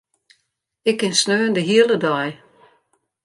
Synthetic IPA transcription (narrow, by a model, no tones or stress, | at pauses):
ɪkɪnsnøːəndəɦiələdɔj